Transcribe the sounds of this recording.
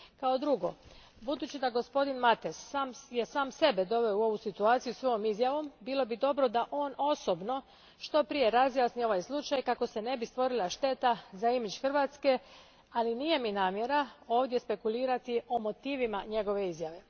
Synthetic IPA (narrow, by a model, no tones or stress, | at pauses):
kao̞d̪ɾuɡo̞ | bud̪uːt͡ɕid̪aɡo̞spo̞d̪inmat̪esamjesaːmse̞bed̪o̞ʋe̞oo̞ʋusit̪uaːt̪sijusʋo̞jomizjaʋo̞mbilˠo̞bid̪o̞bɾo̞d̪aʔo̞ːno̞sobno̞ | ʃt̪o̞pɾije̞ɾazjasnio̞ʋajslˠut͡ʃajkako̞se̞ne̞bist̪ʋo̞ɾilˠaʃt̪e̞t̪azaimid͡ʑxr̩ʋat̪ske̞ | aliniːje̞minaːmje̞ɾao̞ːʋd̪jespe̞kulˠiːɾat̪io̞mo̞t̪iːʋimaɲe̞ɡo̞ʋe̞izjaʋe̞